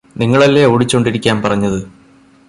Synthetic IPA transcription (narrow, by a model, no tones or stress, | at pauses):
niŋːɐɭɐlːeoːɽit͡ɕːoɳɖiɾikʲːaːmpɐrɐɲːɐðɨ